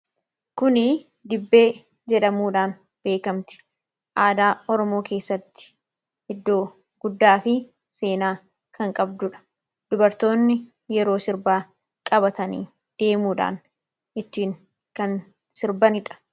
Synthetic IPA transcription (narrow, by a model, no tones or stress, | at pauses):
kʊnɪ | d̪ɪbːe̞ː | d͡ʒɛᶑɐmuːᶑaːn | b̥e̞ːkɐmt̪ɪ̥ | ʔaːd̪aːɔɾɔmo̞ːke̞ːsːɐt̪ːɪ̥ | hɪd̪ːo̞ː | ɡʊd̪ːaːfɪ | se̞ːnaː | kʰɐŋkʼɐbd̪ʊᶑɐ̥ | d̪̥ʊbɐɾt̪o̞ːnːɪ | jɛɾo̞ːsɪɾbaː | kʼɐbɐt̪ɐnḭː | d̪̥e̞ːmuːᶑa̰ːn | ɪt̪ːiːŋ | kɐn | sɪɾbɐnɪᶑ̪ʼɐ̥